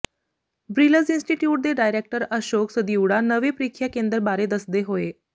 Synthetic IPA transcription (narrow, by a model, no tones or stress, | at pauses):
bɾiləd͡zinsʈiʈjuːʈ̚d̪eɖajɾek̚ʈəɾəɕoksəd̪iwɽanəʋepɾikʰːjakend̪əɾbaɾed̪əsd̪eɦoe